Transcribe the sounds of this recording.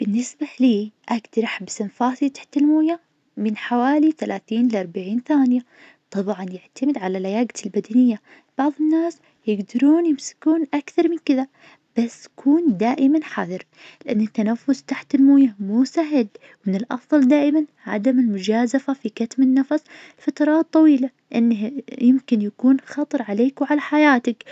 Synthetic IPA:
b̥ɪnːɪsbaliːʔaɡt̪ɾˤɑħbsɪnfaːsit̪ḁħt̪ɪlmuːja | mɪnħawaːliθalaːθiːnlʔɑɾˤbaʕiːnθaːnɪja | t̪ˤɑbʕɑnjɪʕt̪amɪd̪ʕalalajaːɡalbad̪anɪjːa | b̥ɑʕðˤɪnːaːs | jɪɡd̪ɑɾuːnjɪmsɪ̥kuːnʔakθɑɾˤmɪnkɪða | b̥asːjkʰuːnd̪aːʔɪmanħaðˤɨɾ | lɪʔanːɪt̪ːanafːʊst̪aħt̪ɪlmuːjamuːsaɦɪl | wmɪnɪlʔɑ̰fðˤɑld̪aːʔɪman | ʕa̰d̪amɪlmʊd͡ʒaːzafafikat̪mɪnːɑfɑsˤɪlfat̪ɑɾˤɑːt̪ˤːɑwiːlalʔɪnːajɪmkɪnjakuːnxɑt̪ˤɨɾˤʕaleːkwʕalaħajaːt̪ak

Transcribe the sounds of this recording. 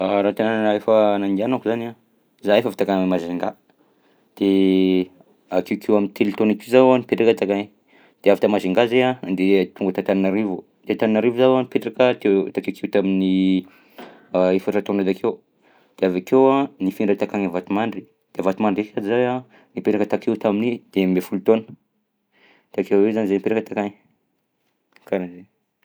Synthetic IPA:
aɾant̪enannaefanaŋɡ̪ianakuzana | zaefafi̥t̪akanmamaziŋɡa | d̪̥e | akewkʰewamint̪ʰelit̪onakizawanipeʈ͡ʂakat̪akan | d̪̥eavit̪amaziŋɡazeanand̪et̪uŋɡat̪at̪aninaɾivu | d̪e̥at̪aninaɾivuzawanipeʈ͡ʂakat̪et̪akewkʰewt̪amini | efaat̪onazakʰew | d̪̥eavakewanifiɳɖ͡ʐət̪akaɲivat̪umaɳɖ͡ʐi̥ | d̪̥eavat̪umaɳɖ͡ʐekʰad͡ʒizaja | nipeɾakət̪akewt̪aminid̪̥emefulut̪onə̥ | t̪akewwezanizanipeɾakət̪akaŋ | kalaze

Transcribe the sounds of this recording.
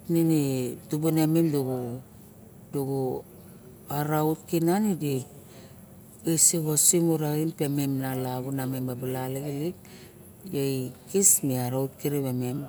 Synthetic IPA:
ninitubuneminduɡu | duɡu | aɾautkinanidik | isiɡosimuɾainpe̞memnalaɡunamembabalaleɡelik̚ | jejkismiaɾaut̚kiɾiβemem

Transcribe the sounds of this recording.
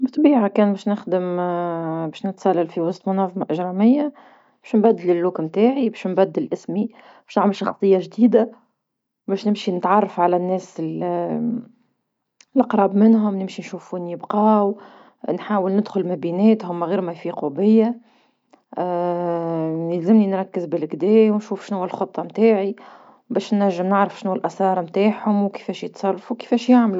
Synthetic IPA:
bt̪ˤbiːʕakɛːnbɛːʃnɪxd̪əm | bɛːʃnɪt̪sælːælfiwɑst̪ˤmʊnɑːðˤɑmɑʔɪʒɾˤɑmɪjːa | bɛːʃnbæd̪ːɪlɪlːuːkmt̪aːʕibɛʃnbæd̪ːɪlʔɪsmi | bɛʃnaʕməlʃɑxt̪ˤːɨjːɑʒd̪iːd̪a | bɛːʃnɪmʃinɪt̪ʕɑrˤːɑfʕalænːɛːsɪl | lʔɑqɾˤɑːbmɪnɦʊmnɪmʃinʃuːfuːnjɪbqɑːw | nħaːwɪlnɪd̪xʊlmæbinɛːt̪hʊmɣiːɾmæfiqʊbɪjːa | læzɪmninɾˤɑkːɪzbɪlɡd̪ɛːwnʃuːfʃnuːælxot̪ˤːɑmt̪aːʕi | bɛːʃnːæʒːɪmnɪʕɾɑfʃnuːælʔæsɑːɾˤmt̪aːħhʊmwkə̥fɛːʃjət̪sˤɑrˤːɑfuwkə̥fɛːʃjaʕmlu

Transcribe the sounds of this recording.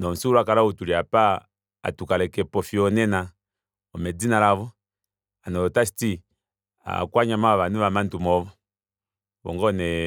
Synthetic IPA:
nɔm̩suɾakalautuliapa | a̰tukalɛkɛpɔfiɔnɛna | ɔmɛd͡zinalaβɔ | anɔɔtasi̥ti | a̰kwaɲamaaβanuʋamantumɔvɔ | βɔ̰ŋɡɔnɛ

